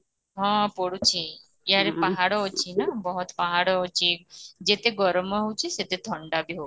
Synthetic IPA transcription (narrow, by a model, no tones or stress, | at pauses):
ɦɔ̃pɔɽut͡ʃʰi | jaɾepaɦaɽɔɦot͡ʃʰinabɔɦut̪paɦaɽɔɦot͡ʃʰid͡ʒet̪eɡɔɾmɔɦowt͡ʃʰiset̪et̪ʰɔɳɖabʱiɦo